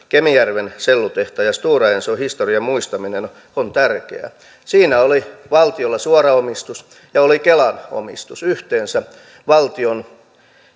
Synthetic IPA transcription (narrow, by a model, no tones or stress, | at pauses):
kemijærʋenselːut̪eht̪ɑjɑst̪uːrɑensohist̪oriɑmmuist̪ɑminen | ont̪ærkḛæ̰ | siːnæoliʋɑlt̪iolːɑsuorɑomist̪us | jɑolikelɑno̰mist̪usyht̪eːnsæ | ʋɑlt̪ion